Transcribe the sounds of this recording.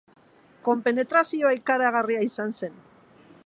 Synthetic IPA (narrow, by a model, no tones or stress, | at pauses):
ko̞mpe̞ne̞t̪ɾasio̞ajkaɾaɣariaisanse̞n